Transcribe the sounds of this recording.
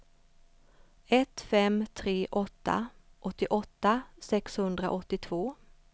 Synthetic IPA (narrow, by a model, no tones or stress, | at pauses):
ɛt̪fɛmt̪ʰɾeːʔɔt̪ːa̰ʔɔt̪ːɪʔɔt̪ːasɛkshɵnd̪ɾa̰ʔɔt̪ːɪt̪ʰvoː